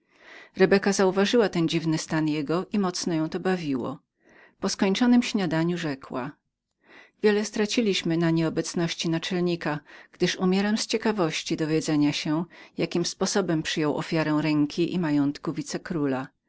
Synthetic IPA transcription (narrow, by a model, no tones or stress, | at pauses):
ɾɛbɛkazauvaʐɘwat̪ɛnd͡ʑivnɘst̪anjɛɡɔʔimɔt̪snɔjɔ̃w̃t̪ɔbavʲiwɔ̰ | pɔskɔɲt͡ʂɔnɘmɕɲad̪aɲuʐɛkwa | vʲjɛlɛst̪ɾat͡ɕilʲiɕmɘnaɲɛɔbɛt̪snɔɕt͡ɕinat͡ʂɛlɲikaɡ̥d̪ɘʂumʲjɛɾamst͡ɕɛkavɔɕt͡ɕid̪ɔvʲjɛd̪zɛɲaɕɛjakʲimspɔsɔbɛmpʂɘjɔwʔɔ̰fʲjaɾɛ̃w̃ɾɛŋkʲʰiʔḭmajɔnt̪kuvʲit̪sɛkɾula